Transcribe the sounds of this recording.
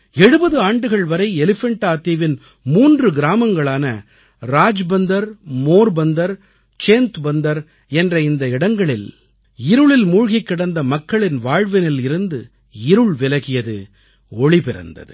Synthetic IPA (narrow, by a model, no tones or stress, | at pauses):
ɛɽɯbɐðɯaːɳɖɯɣɐɭʋɐɾɐɪɛlɪfɛɳʈaːt̪ːiʋɪn | muːndrɯɡɪɾaːmɐŋɡɐɭaːnɐ | ɾaːd͡ʒbɐnd̪ɐɾmoːɾbɐnd̪ɐɾ | t͡ʃeːnt̪bɐnd̪ɐɾ | ɛndrɐɪnd̪ɐɪɽɐŋɡɐɭɪl | ɪɾɯɭɪlmuːɻɣɐɪkːɪɽɐnd̪ɐmɐkːɐɭɪnʋaːɻʋɐnɪlɪɾɯnd̪ɯ | ɪɾɯɭʋɪlɐɣɪjɐðɯ̰ | ɔɭipɪɾɐ̰nd̪ɐ̰ðɯ